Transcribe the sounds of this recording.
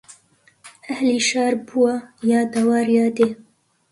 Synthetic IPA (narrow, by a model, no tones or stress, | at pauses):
ɐhliːʃɑːɾbuwajɑːd̪ɐwɑːɾjɑːd̪eː